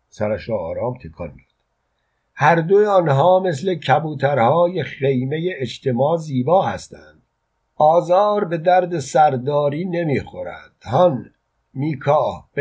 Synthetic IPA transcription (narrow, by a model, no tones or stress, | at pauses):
sæɾæʃɑːɾɒːmt̪ʰekʰɒ̰ːnmijɑd̪̥ | hæɾd̪ojeɒːnɦɒːmes̬le̞cʰæbuːt̪ʰæɾhɒːjeχe̞jme̞jeːt͡ʃt̪ʰe̞mɒːziːbɒːhæst̪ʰænd̪̥ | ʔɒːzɒːɾbe̞d̪æɾd̪e̞sæɾd̪ɒːɾiːne̞miːxoɾæ̰nd̪̥hɒn | miːkʰɒːhb